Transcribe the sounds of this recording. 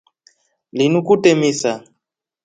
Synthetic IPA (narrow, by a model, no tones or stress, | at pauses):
linukutɛmisa